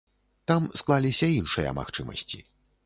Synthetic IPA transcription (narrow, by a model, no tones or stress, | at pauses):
t̪amsklˠalʲisʲɐinʂɨjɐ̰ma̰xt͡ʂɨmɐ̰sʲt͡sʲḭ